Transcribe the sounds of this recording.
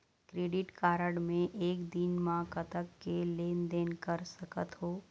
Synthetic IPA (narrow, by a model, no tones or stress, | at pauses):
kɾeːɖɪʈkaːɾəɽmẽʔeːkd̪inmãkət̪əkːeleːnd̪eːnkəɾsəkət̪ɦoː